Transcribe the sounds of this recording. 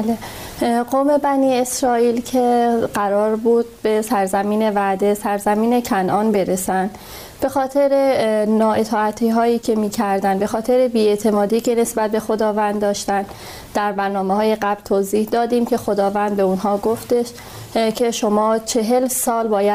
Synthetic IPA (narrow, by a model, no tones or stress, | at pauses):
le | ɡoːme̞bæniːesɾɒːiːlcʰe̞ɢæɾɒːɾbuːd̪̥̚be̞sæɾzæmiːne̞væʔd̪e̞sæɾzæmiːne̞cʰænʔɒːnbe̞ɾe̞sænd̪ | b̥e̞xɒːt̪ʰe̞ɾenɒːʔet̪ʰɒːæt̪ʰiːɦɒːjiːcʰe̞miːcʰæɾd̪ænbe̞xɒːt̪ʰe̞ɾebiːe̞t̪ʰe̞mɒːd̪iːcʰe̞ne̞sbæt̪̚be̞xo̞d̪ɒːvænd̪d̪ːɒːʃt̪ænd̪ | d̪̥æɾbæɾnɒːmehɒːje̞ɣæblt̪ʰoːziːhd̪ɒːd̪iːmcʰe̞xo̞d̪ɒːvænd̪̚be̞unɦɒːɡoft̪e̞ʃ | cʰe̞ʃomɒːt͡ʃʰe̞ɦe̞lsɒːlbɒːjæ